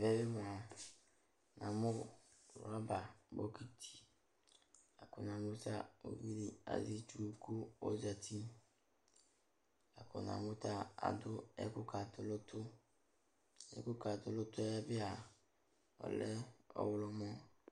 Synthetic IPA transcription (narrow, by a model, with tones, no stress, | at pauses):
vɛ˦bɪ˦mʊ˨a˨ | nã˨mʊ̃˦˨ | ɾa˦ba˨bo˦kʰi˦˨tʰi̥˨ | a˨kʊ˨nã˨mʊ˦ta˦o̰˨vi˦li˦a̰˨zi˦t͡ʃu˦˨kʰu˦ɔ˦za˨tʰi˦ | a˨kɔ̰˨nã̰˨mʊ̃˦ta˦a̰˨dʊ˦ɛ˦kʊ˦kʰa˨tʊ˦lʊ˦tʰʊ˦ | ɛ̰˦kʊ˦ka˨tʊ˨lʊ˦tʊ˦ɛ˦ɛ˦bɪ˦a˨ | ɔ̰˨lɛ˦ɔ̰˨wʊ˦lɔ˦mɔ̃˦